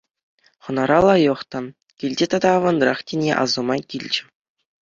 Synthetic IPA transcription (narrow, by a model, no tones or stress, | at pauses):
χɤ̆nɑɾɑlˠɑjɤ̆χt̪ɑ | kʲilʲdʲet̪ɑd̪ɑːʋɑnrɑχtʲenʲḛʔɑ̰zɤ̆mɑkʲilʲd͡ʑɘ̆